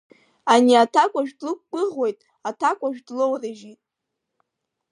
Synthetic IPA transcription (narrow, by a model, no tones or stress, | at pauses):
aniatʰakʷʼaʒᶣdlɨkʷːʼɨʁwojtʼ | atʰakʷʼaʒᶣdlowraʒitʼ